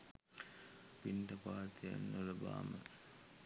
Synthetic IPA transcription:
pinʈɐpaːt̪ija̰nːuləba̰ːmə̰

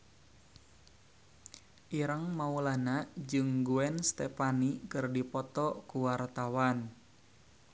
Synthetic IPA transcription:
ʔiɾəŋmaulanaʔd͡ʒɨŋɡuɛnst̪epanikɨrdipɔt̪ɔkuwart̪awan

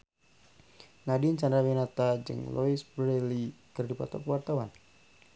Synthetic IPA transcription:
nadiɲt͡ʃandɾawinat̪ad͡ʒɨ̰ŋlɔisbɾɛlikɨrdipɔ̰t̪ɔkəwart̪awan

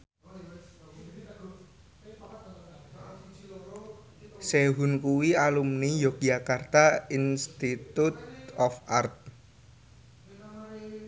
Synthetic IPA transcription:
seɦunkuwialumnijɔk̚d͡ʒakart̪ainst̪it̪ut̪̚ɔfʔart̪̚

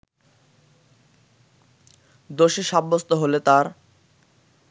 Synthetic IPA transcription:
d̪oʃeʃabːost̪oɦolet̪aɾ

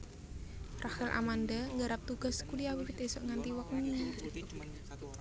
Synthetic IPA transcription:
rahɪlʔa̰mand̪aŋɡəɾap̚t̪uɡ̥a̤skuliawiwɪt̪esɔʔŋant̪iwək̚ni

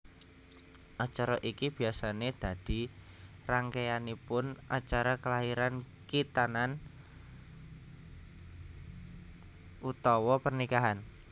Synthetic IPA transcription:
ʔat͡ʃaɾɔʔikib̥i̤asaned̪̥a̤d̪̥i̤ | raŋkeanipʊnʔat͡ʃaɾakəlaɦiɾan | kit̪anan | ut̪ɔwɔpərnikaɦan

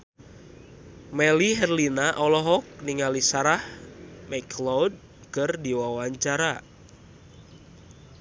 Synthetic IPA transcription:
mɛliɦɛrlinaʔɔlɔɦɔk̚niŋalisaɾahmɛkʰlɔwd̚ | kɨrdiwawaɲt͡ʃaɾa

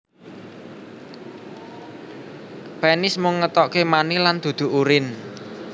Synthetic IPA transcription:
pɛnɪsmʊŋːət̪ɔʔkemaniland̪̥ṳd̪̥ṳʔuɾɪn

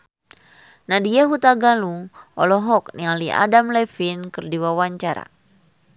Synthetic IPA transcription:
nadijaɦut̪aɡaluŋʔɔ̰lɔɦɔk̚nialiʔa̰damlɛfinkɨrdiwawaɲt͡ʃaɾa̰

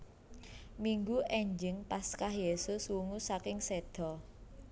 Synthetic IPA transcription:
miŋɡuʔɛɲd͡ʒɪŋpaskahjesʊswuŋusakɪŋsed̪̥ɔ̤

